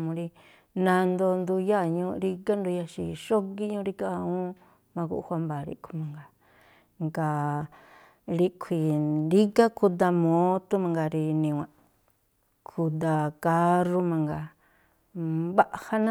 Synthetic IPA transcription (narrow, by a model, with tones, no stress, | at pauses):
mũ˧ɾi˧ | nã˧nd̪o˧nd̪u˧ja˦˨ɲũ˧ɾi˧ka˦nd̪u˧ja˧ʃḭ˧ʃo˦ki˦ɲũ˦ɾi˧˦ka˧ũ˦ | mã˧kṵ˧ʔhʷa˧mba˨ɾḭ˧kʰʷi̥˧mã˨ŋɡa˨ | ŋɡa˨ | ɾi˦kʷʰi˨ɾi˦ka˦ku˧d̪a˧mõ˨˦t̪u˦mã˧ŋɡa˧ɾi˧nĩ˧wʷã˧ | kʰu˧d̪a˧ka˦ru˦mã˧ŋɡa˨ | βa˦ʔha˦nã˦